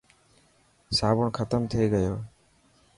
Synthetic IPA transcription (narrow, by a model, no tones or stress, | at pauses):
saːbɔɳkʰət̪əmt̪ʰejɡəjoː